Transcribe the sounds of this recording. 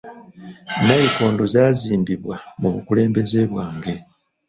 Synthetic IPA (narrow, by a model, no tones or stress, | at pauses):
najiko̞ːndozaːziːmbiβwamuβukule̞ːmbe̞ze̞βwaːŋɡe̞